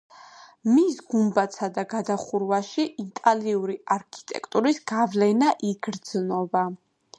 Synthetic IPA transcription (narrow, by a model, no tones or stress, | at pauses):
misɡumbat̪sʰad̪aɡad̪aχuɾvaʃiʔit̪ʼaliuɾiaɾkʰi̥t̪ʼɛ̰kʰʼt̪ʼuɾisɡ̥avlɛnaʔiɡɾd̪z̥nɔba